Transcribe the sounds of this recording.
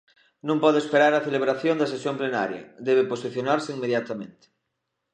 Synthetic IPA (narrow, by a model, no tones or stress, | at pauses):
nũmpɔðespeɾaɾaθeleβ̞ɾaθjond̪asesjomplena̰ɾja̰d̪eβeposiθjonaɾseiŋmeðjat̪amẽnt̪e̥